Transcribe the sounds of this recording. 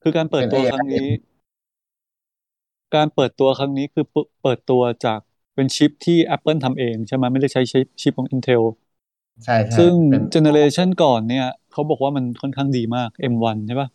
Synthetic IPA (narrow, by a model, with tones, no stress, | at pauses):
kʰɯː˧kaː˧npɤː˨˩t̪ːu˧ɐkʰɾa˦˥ŋniː˦˥ | kaː˧npɤː˨˩t̪ːu˧ɐkʰɾa˦˥ŋniː˦˥kʰɯː˧ppɤː˨˩t̪ːu˧ɐt͡ɕaː˨˩k̚ | pe˧nt͡ɕʰi˦˥p̚t̪ʰiː˥˩ʔɛ˦˥pːɤ˥˩nt̪ʰa˧mʔeː˧ŋt͡ɕʰa˥˩ma˦˥ma˥˩jda˥˩jt͡ɕʰa˦˥jt͡ɕi˦˥p̚t͡ɕʰi˦˥p̚kʰɔ˨˩˦ʔi˧nt̪ʰe˧wʰ | a˥˩ssɯ˥˩ŋt͡ɕe˧ne˧ɾeː˧t͡ɕʰa˥˩nkɔː˨˩nːi˥˩ɐkʰa˦˥wbɔː˨˩k̚waː˥˩ma˧nkʰɔ˥˩nkʰaː˥˩ŋdiː˧maː˥˩k̚ʔe˧mwa˧nt͡ɕʰa˥˩ba˦˥˩